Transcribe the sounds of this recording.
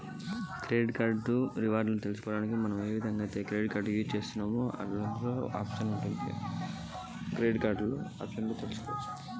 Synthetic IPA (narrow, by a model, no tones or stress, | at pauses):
kɾeːɖkaːɾɖuɾiʋaːɾɖlɐnit̪elusu̥kɔːɽaːnikimɐnɐme̞ːʋid̪ʱɐŋɡaːt̪ekɾeːɖkaːɾɖɡit͡ʃe̞ːst̪unːɐːmoːʔɐ̰lɐloːaːpʂɐnuɳʈund̪ḭ | kɾeːɖkaːɾɖloɐ̰pʂɐnlut̪elusu̥koːɾui